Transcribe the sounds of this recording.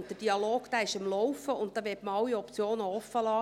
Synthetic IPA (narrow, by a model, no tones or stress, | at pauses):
ndəd̥iɑloːɡ̥d̥æːɪʃɑmlɔwfəʊntt̪ːɑːʋɛtməɑwiɔpt͡sjoːnəɔfːəlɑː